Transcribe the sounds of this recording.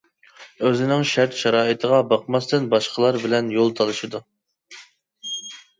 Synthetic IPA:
øzɪnɪŋʃæɾt̪ʃɑɾɑːɨt̪ʰəʁɑbɑqmɑst̪ɨnbɑʃqəlˠɑɾbɪlɛnjolˠt̪ʰɑlˠɨʃɨd̪u

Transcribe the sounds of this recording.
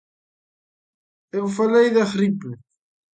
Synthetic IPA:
ewfalejðaχɾiple

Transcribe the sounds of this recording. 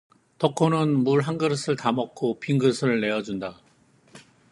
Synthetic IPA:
tʌkʰonɯnmuɭɦaŋɡɯɾsʰɯɭtamʌk͈ʰopʰiŋɡɯsʰɯɭːe̞ʌd͡ʑunda

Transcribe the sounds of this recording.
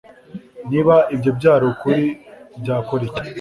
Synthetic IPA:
niβaʔibɟo̞bɟaːɾokuɾibɟaːkoɾecḁ

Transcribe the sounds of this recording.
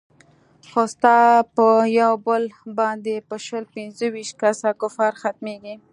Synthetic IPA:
xost̪ɑpəjawbəlbɑnd̪epəʃəlpɪnzəwiʃt̪̚kasakʊfɑɾxat̪̚meɡi

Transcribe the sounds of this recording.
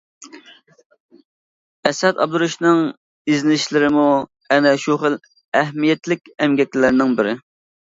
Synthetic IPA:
ɛsɛd̪ɑ̰b̚d̪uɾuʃnɪŋ | iznɪʃlɪɾɪmu | ɛnɛʃuχəl | ɛɦmijɛt̪lɪk̚ʲɛmɡʲɛkʲɪlɪɾnɪŋbɪɾɪ

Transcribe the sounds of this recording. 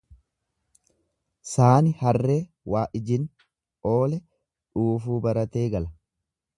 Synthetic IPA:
saːnɪhɐrːe̞ː | waːʔɪd͡ʒɪn | o̞ːlɛ | ᶑuːfuːbɐɾɐt̪e̞ːɡɐlɐ

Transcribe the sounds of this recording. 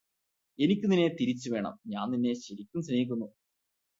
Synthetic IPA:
e̞nikʲːuninːe̞t̪iɾit͡ɕːuʋe̞ːɳɐ̰mɲaːnninːe̞ɕɐɾikʲːumɕneɣik̬ʲːunːu

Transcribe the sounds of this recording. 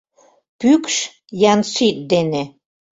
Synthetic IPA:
pykʃ | jɑnsit̪̚d̪ene

